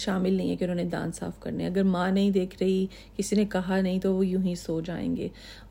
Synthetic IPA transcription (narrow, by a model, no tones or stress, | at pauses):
ʃaːmɪlnɐɦĩɦɛkeʊ̃nɦõːned̪ã̰ːnsa̰ːfkɐ̰ɾneɐɡəɾmãːnɐɦĩd̪eːkʰɾɐɦi | kɪsinekɐɦanɐɦĩt̪oʋojʊɦĩsoːt͡ʃd͡ʒa̰ːḛ̃ːŋɡḛː